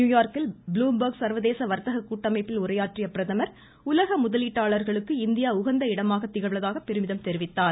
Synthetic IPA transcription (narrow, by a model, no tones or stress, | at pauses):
juːjaːɾkɪlbluːmbɐɾɡsɐɾʋɐðeːsɐʋɐɾt̪ɐɣɐkːuːʈːɐmɐɪpːɪlʊɾɐjaːʈrɪjɐpːɪɾɐðɐmɐɾ | ʊlɐɣɐmʊðɐliːʈːaːɭɐɾɣɐɭɯkːɯɪnd̪ɪjaːʊɣɐnd̪ɐɪɽɐmaːɣɐt̪ːɪɣɐɭɐðaːɣɐpːɛɾɯmɪðɐmt̪ɛɾɪʋɪt̪ːaːɾ